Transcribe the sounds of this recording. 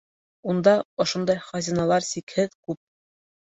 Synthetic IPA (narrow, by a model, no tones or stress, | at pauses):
und̪ɑŏʃond̪ɑjχɑzʲinɑlˠɑɾsikhɘðkʉp̚